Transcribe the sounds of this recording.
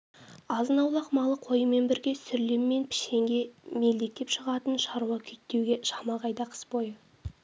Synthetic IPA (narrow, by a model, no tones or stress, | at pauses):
ɑzənɑwlˠɑqmɑlˠəqʰo̞jəme̞nbɪɾɡʲe̞sʏɾlemːe̞npʰɪ̥ʃe̞ŋɡʲe̞me̞ld̪e̞k̚t̪e̞pʃəʁɑt̪ənʃɑɾuɑkʲʰʏt̪ːe̞wɡʲe̞ʃɑmɑʁɑjd̪ɑqʰə̥sbo̞jə